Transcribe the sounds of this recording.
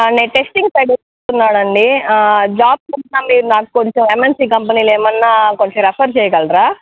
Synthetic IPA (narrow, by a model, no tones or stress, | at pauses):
neːnʈe̞sʈiŋɡsɐjɖis | t̪unːaːɽɐɳɖid͡ʒaːb̚t͡ʃuinaːmiːɾunaːku̥koɲt͡ʃememensiːkɐmpɐniːleːmɐnːaːkoɲt͡ʃeɾɐpʰɐɾt͡ʃɛːjɐɡɐlɾaː